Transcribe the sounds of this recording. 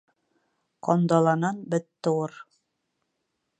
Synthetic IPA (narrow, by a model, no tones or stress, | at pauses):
qɒnd̪ɑlˠɑnɑnbɘt̪ːɘ̆wɤɾ